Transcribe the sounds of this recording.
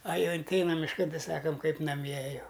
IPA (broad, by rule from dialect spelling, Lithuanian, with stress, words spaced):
ɐ ˈjɛʊ ɪnʲˈtʲɛɪnɐm mʲɪʃˈkɐn ˈtʲɛɪ ˈsɑːkɐm ˈkɐɪp nɐˈmʲiɛ ˈjɛʊ